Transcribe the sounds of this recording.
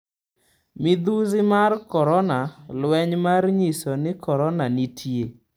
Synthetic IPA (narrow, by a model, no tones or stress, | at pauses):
mɪd̪uzɪmarkɔɾɔnalwɛɲmarɲisɔnɪkɔɾɔnanɪtʰje